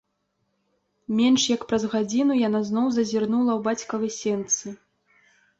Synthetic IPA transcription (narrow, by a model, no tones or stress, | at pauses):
mʲɛnʂjɐkpɾɐzɣad͡zʲinujanaznɔwzɐzʲirnulˠɐwbat͡sʲkɐɣɐsʲɛnt̪sɨ